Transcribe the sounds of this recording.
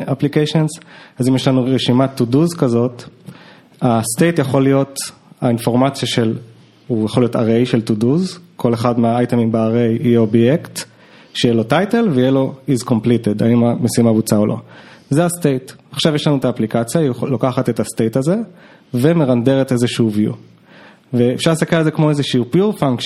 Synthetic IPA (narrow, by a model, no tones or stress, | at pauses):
ʔaplikejʃonzazimjeʃlanuʁʁeʃimatuduzkazo̞t | astejtjaχo̞lijo̞t | ainfo̞ʁmat͡sjaʃe̞l | ujaχolijo̞ta̰ʁejʃe̞ltuduzkʰo̞le̞χadmeaajtemimbeaʁejijeobjekt | ʃejelo̞tajte̞lveijelo̞izko̞mplite̞da̰imamesimabut͡saolʔo̞̰zeaste̞jtaχʃavjeʃlanuetaːplikat͡sjailokaχate̞taste̞jtaze̞ | ve̞me̞ʁande̞ʁete̞zeʃuvjṵ | veːfʃaʁlsakealezekmo̞ezeʃiupjuʁfaŋkʃ